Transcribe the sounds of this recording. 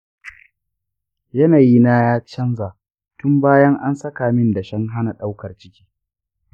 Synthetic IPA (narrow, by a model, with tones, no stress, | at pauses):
jɐ˦naː˨ji˦na˦jaː˦t͡ʃɐ˦nzaː˨ | tʊ˦mbaː˦jɐ˦ŋʔa˦nsɐ˦kaː˨mɪ˦nda˨ʃɐ˦ŋɦa˦na˨ɗa˦wkɐ˨rt͡ʃɪ˦kʲi̥ː˦